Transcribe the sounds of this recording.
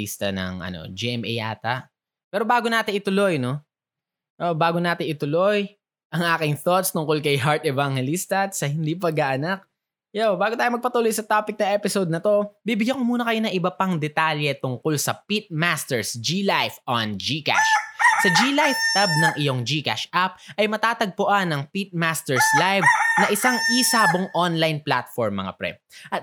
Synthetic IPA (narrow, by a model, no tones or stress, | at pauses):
ḭst̪ɐnɐ̰ŋʔɐ̰no̰d͡ʒiʔɛmʔɛ̰jʔa̰ːt̪ɐʔ | pɛːɾo̞baːɡonaːt̪ɪŋʔɪt̪ʊlo̞jno | ʔobaːɡonaːt̪ɪŋʔɪt̪ʊloj | ʔɐŋʔaːkɪŋθot̪st̪ʊŋkolkɐjɦaɹt̪ɛvaŋhɛlist̪ɐsɐhɪnd̪ipɐɡɐʔɐnak̚ | jobaːɡot̪aːjomɐɡ̚pɐt̪uːlojsɐt̪aːpɪk̚nɐʔɛpɪsod̪̚nɐt̪o̞biːbɪɡjɐkomuːnɐkɐjo̞nɐŋʔɪbɐpɐŋd̪ɛt̪aljɛt̪ʊŋkolsɐpit̪̚mast̪ɛɹsd͡ʒilajfʔɐnd͡ʒika̰ʃsɐd͡ʒiːlajft̪ɛb̚nɐŋʔɪjo̞ŋd͡ʒiːka̰ʃʔap̚ʔɐjmɐt̪aːt̪ɐɡ̚pʊʔanːɐŋpit̪̚mast̪ɛɹslajvnɐʔɪsaŋʔisaːboŋʔonlajnplat̪fɔɹmːɐ̰ŋa̰pɾɛ̰ʔɐt̪̚